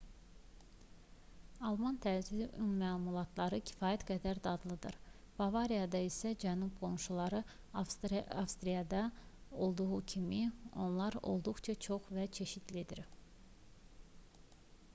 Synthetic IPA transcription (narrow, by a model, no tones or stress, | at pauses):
ɑlˠmɑnt̪ʰæzyd̪iʔynmæːlˠmulˠɑt̪ʰlˠɑɾɯcʰi̥fɑːjæt̪ɡæd̪æɾd̪ɑd̪lˠɯd̪ɯ̰ɾ | b̥ɑvɑɾijɑd̪ɑisæd͡ʒænub̚ɡo̞mʃulˠɑɾɯ | ɑfst̪ɾijɑd̪ɑo̞lˠd̪uʁucʰimio̞̰nlˠɑɾo̞̰lˠd̪uχt͡ʃʰɑt͡ʃʰo̞χvæt͡ʃʰe̞ʃit̪lid̪iɾ